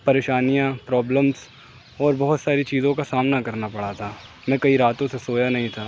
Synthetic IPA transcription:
pɐɾeːʃaːnijãpɾɔːbləmz | ɔːɾbɐɦʊt̪saːɾit͡ʃiːzõkasaːmnakɐɾnapɐɽat̪ʰaː | mɛ̃ːkɐiɾaːt̪õsesoːjanɐɦĩt̪ʰaː

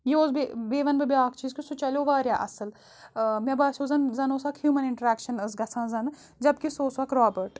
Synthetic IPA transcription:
jeoːzbebeːʋɐnbɐbiaːkt͡ʃiːzkisut͡ʃɐlʲoːʋaːɾjaːʔɐsəl | mɐbaːsoːzɐnzɐnoːsɐkhjuːmɐnɪ̃ɳʈəɾɛːkʃɐnəsɡɐsʰãːzɐn | d͡ʒɐb̚kisoːsʋɐkɾaːbəɾʈ

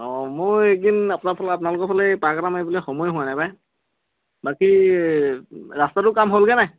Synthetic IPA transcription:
ɔmoedinapʊnaɹpʰalɛapʊnalʊkɔpʰalɛpɹakaɾamejbulɛxɔmɔjɦʊwanajbaj | baki | ɹastatʊkamɦolɡɛnaj

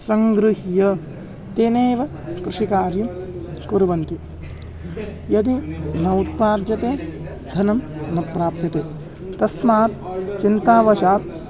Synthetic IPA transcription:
sɐŋɡɾuɦjɐ | t̪eːneːʋɐ | kɾɪʂikaːɾjɐmkuɾʋɐnt̪i | jɐd̪inɐwut̪̚paːd̪jɐt̪eː | d̪ʱɐnɐmnɐpɾaːpjɐt̪eː | t̪ɐsmaːt̪t͡ʃint̪aːʋɐʃaːt̪̚

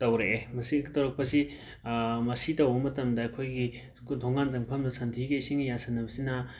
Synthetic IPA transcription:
tɐwɾeʔːmɐsitɐwɾɐk̚pɐsi | mɐsitɐwbɐmɐtɐmdɐːjkʰojɡi | dʱoŋanzɐŋpʰɐmdɐsɐntʰiɡeisiŋijansɐnːɐbɐsinɐ

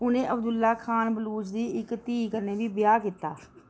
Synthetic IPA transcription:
ʊnẽʔəbd̪ʊlːaːkʰaːnbəluːt͡ʃd̪iːɪkt̪iːkəɾneːbʱibɪjaːkɪt̪ːaː

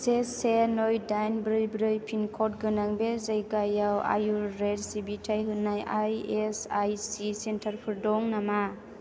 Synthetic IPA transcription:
sesenojdajnbɾɯjbɾɯjpʰinkʰɔt̚ɡɯnaŋbezajɡajawa̰juɾedsibitʰajɦɯnːajajesajsisentʰaɾpʰɯɾdɔŋnama

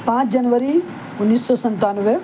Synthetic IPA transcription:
pãːt͡ʃd͡ʒɐnʋəɾi | ʊnːiːsːɔsɐ̃nt̪aːnʋe

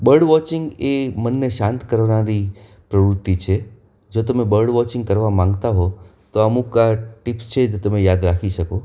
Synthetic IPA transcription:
bəɾɖʋɔt͡ʃɪ̃ŋɡemənːeʃãnt̪kəɾʋnaɾi | pɾəʋɾʊt̪ːit͡ʃʰe | d͡ʒot̪əmebəɾɖʋɔt͡ʃɪ̃ŋɡkəɾʋamãŋ̆ɡt̪aɦo | t̪oəmukaʈipst͡ʃʰed͡ʒot̪əmejad̪ɾakʰiʃəko

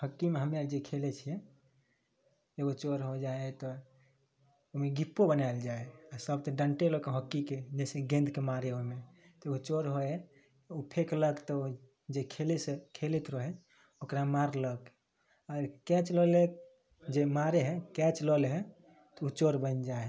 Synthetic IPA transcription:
həkːimeɦəmjad͡ʒekʰelet͡ʃʰijɛ | d͡ʒəbot͡ʃoɾɦod͡ʒaet̪ɔ | omeɡipːobənald͡ʒaeasəbt̪əɖəɳʈelɔkɦəkːiked͡ʒɛseɡẽnd̪kemaɾeome | t̪ɔut͡ʃoɾɦoe | upʰekləkt̪ɔu | d͡ʒekʰelesekʰelet̪ɾəɦe | okɾamaɾlək | aɾkɛt͡ʃlɔle | d͡ʒemaɾeɦɛkɛt͡ʃlɔlɦɛ | t̪ɔut͡ʃoɾbənd͡ʒae

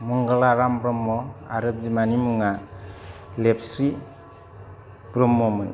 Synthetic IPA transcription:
muŋɡalaɾambɾɔmːɔaɾɯp̚d͡ʒimanimuŋa | lepʰsɾi | bɾɔmːɔmɯn

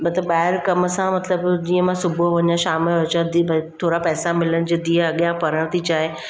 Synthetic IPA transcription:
mɐt̪ləbɓaːɦɪɾkɐməsãmɐt̪ləbd͡ʑiːə̃mãsʊbʱoʋɐɲãʃaːmɪlɐt͡ɕãd̪ibt̪ʰoːɾapɛːsamɪlənɪ̆d͡ʑeːd̪iːɦəɐɠijãpɐɾəɽ̃t̪ʰit͡ɕaːɦe

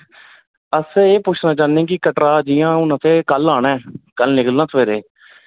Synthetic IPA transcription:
əseːpʊːt͡ʃʰnãːt͡ʃaːnẽːkɪkəʈɾaːd͡ʒiːjãːʊnət̪eːkəlaːnaɛːkəlnɪkəlnãːt̪ʰəʋeːɾeː

